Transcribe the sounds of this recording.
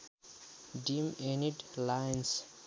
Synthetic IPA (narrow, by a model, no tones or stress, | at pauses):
ɖimeniɖlajns